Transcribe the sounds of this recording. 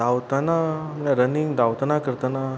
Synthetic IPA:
awt̪ananaɾəniŋɡd̪aʋt̪anakəɾt̪ana

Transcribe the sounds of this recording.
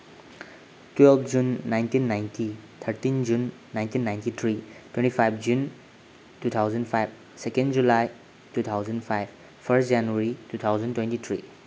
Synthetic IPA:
twɛlpʰd͡ʒunːajntinːajntit̪ʰəɾtind͡ʒunː | ajntinːajntit̪ʰɾitwẽntipʰajpʰd͡ʒun | tut̪ʰawzənpʰajb̚ | sekẽndd͡ʒulaj | tut̪ʰawzənpʰajb̚ʰ | pʰəstʰd͡ʒanuaɾitut̪ʰawzəntwẽntit̪ʰɾi

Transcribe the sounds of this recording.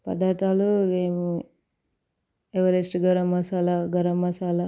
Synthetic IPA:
pɐ̰d̪aːt̪aːluemu | eʋɐɾesʈɡɐɾɐmɐsaːlɐɡɐɾɐmːɐsaːlɐ

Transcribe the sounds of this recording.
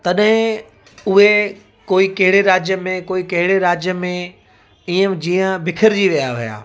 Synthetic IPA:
t̪ɐɗɦɪ̃ | ʊɦe | koːikɐɦɪɽeɾaːd͡ʑjəmẽkoːikɐɦɪɽeɾaːd͡ʑjəmẽ | iːə̃d͡ʑiːə̃bɪkʰəɾd͡ʑiːʋijaɦʊja̰ː

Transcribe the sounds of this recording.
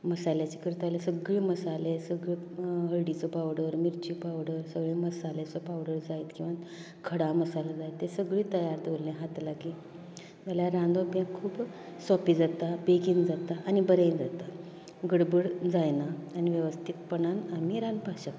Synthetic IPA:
məsaljat͡ɕekəɾt̪alesəɡɭeməsalesəɡɭeɦəɭɽit͡sɔpawɽəɾmiɾt͡ɕipawɽəɾsəɡɭeməsalet͡sɔpawɽəɾd͡zait̪kĩw̃ʋa | kʰəɽaməsalad͡zajt̪ːesəɡɭiːt̪əjaɾd̪olːẽɦat̪laɡiː | jaljaɾãnd̪ʱopjãkʰuːp | sɔpiːd͡zat̪abeɡiːnd͡zat̪aʔːnibəɾend͡zat̪a | ɡəɽbəɽd͡zajnaːniʋjəʋəst̪ʰit̪pəɳanamiɾanpaɕək

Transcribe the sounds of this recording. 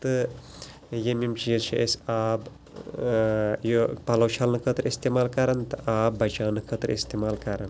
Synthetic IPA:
t̪ɨ | jemimt͡ʃijet͡ʃʰeʔesʲaːb | jopɐlɐwt͡ʃʰaːlnɨkʰət̪ɾist̪emaːlkɐɾɐnt̪ɨʔaːbbɐt͡ʃaːnɨkʰət̪ɾḭst̪eːmaːlkɐɾɐn

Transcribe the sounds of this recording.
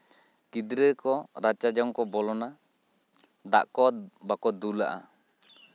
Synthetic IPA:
kid̪ɾəkɔɾat͡ʃad͡ʒɔŋkɔbɔlɔna | d̪a̰ʔkɔbakɔd̪ulaʔa̰

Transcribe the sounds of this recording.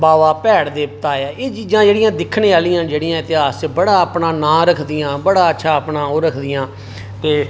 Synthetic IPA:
baːʋaːpɛːɽd̪eːpət̪aːjaːeːd͡ʒid͡ʒãːd͡ʒeːɽɪjãːd̪ɪkʰːneːaːlɪjãːd͡ʒeːɽɪjãːɪt̪ɪɦaːsbəɽaːəpnaːnãːɾəkʰd̪ɪjãːbəɽaːətːʃʰaːəpnaːoːɾəkʰd̪ɪjãː | t̪eː

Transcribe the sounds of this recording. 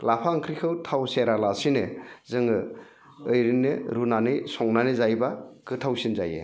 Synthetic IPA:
lapʰaŋkʰɾikʰɯwtʰawseɾalasinɯzɯŋɯ | ɯjɾinɯɾunanɯsɔŋnanɯzajbakʰɯtʰawsinzajḛ

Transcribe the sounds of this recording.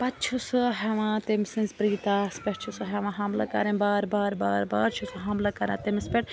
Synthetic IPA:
pɐt̪t͡ʃʰusɨɦeʋãt̪emisɨ̃nzpɾiːt̪aspʲeʈt͡ʃʰusuɦeʋãɦɐmla̰kɐ̰ɾẽbaːɾbaːɾba̰ːɾba̰ːɾt͡ʃʰusuɦɐmlakɐɾã̰ːt̪emispʲeʈ

